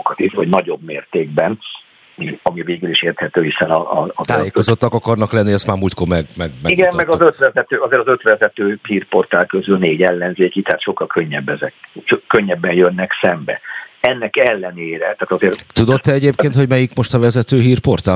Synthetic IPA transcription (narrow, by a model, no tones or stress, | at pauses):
okɒt̪ifhoɟnɒɟo̞bmeːrt̪eːɡbɛn | iɒmiveːɡyliʃeːrt̪hɛt̪øːhisɛnɒːzt̪aːjeːkozot̪ːɒkɒkɒrnɒklɛnːiɛst̪maːrmuːlt̪koːmɛɡmɛɡmɛiɡɛmmɛɡɒzøt̪ʋɛzɛt̪øːɒzeːɾɒzø̞t̪ʋɛzɛt̪øːhiːrpo̞rt̪aːlkøzylneːɟɛlːɛnzeːkit̪ɛɦaːt̪ʃo̞kːɒlkʰøɲːɛbːɛzɛkkøɲːɛbːɛnjønːɛksɛmbɛ̰ɛnːɛkɛlːɛneːɾɛt̪aːt̪ɒzeːrt̪ud̪ot̪ːɛɛɟeːp̚keːnt̪hoɟmɛjikmo̞ʃt̪ɒvɛzɛt̪øːɦiːrpo̞rt̪aː